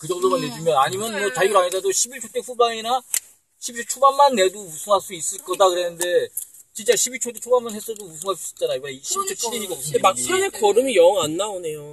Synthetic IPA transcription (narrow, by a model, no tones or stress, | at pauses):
kɯd͡ʑʌŋdomanːed͡ʑimjʌnaɲimjʌnʌt͡ɕauɾaŋesadoɕʰibiɭt͡ɕʰot͈ʰeɸubaŋina | ɕʰibit͡ɕʰt͡ɕʰobanmanːe̞dousʰuŋɦas͈uis͈ɯɭk͈ʌdakɯɾe̞nɯnde̞ | t͡ɕint͡ɕ͈aɕʰibiɭt͡ɕʰot̬͈et͡ɕʰobanmanɦe̞s͈ʌdousʰuŋɦas͈uit͡ɕ͈anaimaiɕʰibit͡ɕʰot͡ɕʰidiɲiɡʌkʌsʰɯndemak̚sʰanekʌɾɯmijʌŋanːaone̞jo